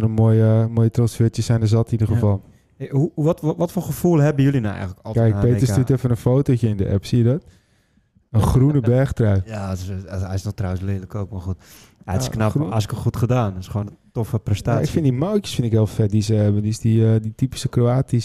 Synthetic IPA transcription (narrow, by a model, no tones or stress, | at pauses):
nəmojəmojətrosfɪtjəsɛjndəzɔtidərɣəfɑlˠ | uʋɔtʋɔtfoːχəfulˠɦɛbəjylinawɛ̰jɣələkɔkɛjkpeːtəstutɛfənənfoːtocəɪndəʔɛ̰psiədɔt | ənxrunəbɛrxtrajjaɛjsnɔχtrawənslɪələkoːk̚marxut | ɛtɪ̥sknaasɪkəxutχədaːnɪsχoːnətofəprɛstaːɪkfɪndimawtjə̥sfɪntɪkhɪəlˠfɛt̚disəhɛbəndisdiəditipi̥səkroaːtis